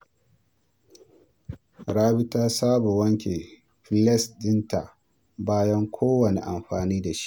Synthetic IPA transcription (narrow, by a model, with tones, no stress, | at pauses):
ɽaː˦bɪ˦taː˦saː˦bo˨wɐ˦ŋkʲe˨ | ɸɪ˦lɛ˦sdɪ˦nta˨ | baː˦jɐ˦ŋkʷʰoː˦wɐ˨nḛ˨ʔa˨mɸaː˨niː˦da˨ʃi̥˦ʔ